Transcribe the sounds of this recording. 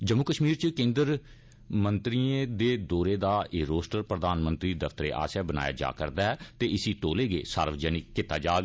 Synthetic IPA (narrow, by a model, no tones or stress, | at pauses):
d͡ʒəmːukəʃmiːɾt͡ʃkẽːnd̪əɾ | mənt̪ɾiːẽd̪eːd̪ɔːɾeːd̪aːeɾoːsʈəɾpɾəd̪aːnmənt̪ɾiːd̪əfʰt̪əɾeːʔa̰ːsaːbəna̰ːja̰ːd͡ʒa̰ːkəɾd̪aːɦɛːt̪eːɪsiːt̪oːleːɡḛːsa̰ːɾʋd͡ʒɛnɪkːɪt̪ːaːd͡ʒaːɡ